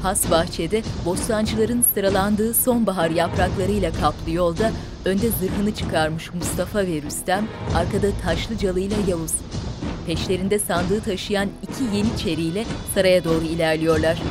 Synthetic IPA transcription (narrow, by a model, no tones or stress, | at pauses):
hast̪baxt͡ʃʰed̪ɛbo̞slˠand͡ʒɯlˠaɾɯnsɯɾalˠand̪ɯːso̞nbaɦaɾjapɾaklˠaɾɯjlʲˠakʰaplˠɯjo̞lˠd̪a | ø̞nd̪ɛzɯɾɦɯnɯt͡ʃʰɯ̥kʰaɾmɯʃmust̪ʰafavɛɾyst̪ʰæmaɾkad̪at̪ʰaʃlˠɯd͡ʒalˠɯjlˠajavuz̥pʰɛʃlʲe̞ɾind̪ɛsand̪ɯːt̪ʰaʃɯjanicʰije̞nit͡ʃʰe̞ɾijlʲɛsaɾajad̪o̞ːɾuilʲæɾlʲijo̞ɾlˠaɾ̝̥